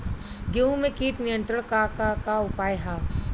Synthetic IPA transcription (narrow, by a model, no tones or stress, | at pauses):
ɡeũmẽkiːʈnɪjə̃nt̪ɾəɽ̃kakakaʊpaːjɦaː